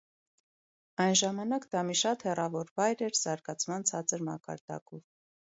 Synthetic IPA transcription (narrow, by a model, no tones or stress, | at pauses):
ɑjnʒɑmɑnɑkd̪ɑmiʃɑt̪hɛrɑvɔɾvɑjɾɛɾz̥ɑɾɡɑt͡sʰmɑnt͡sʰɑt͡səɾmɑ̰kɑ̰ɾd̪̥ɑ̰kɔv